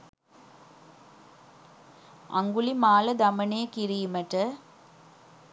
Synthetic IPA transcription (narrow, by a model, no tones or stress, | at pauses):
ɐ̰ŋɡulimaːlɐd̪ɐmɐneːkiɾijumɐʈɐ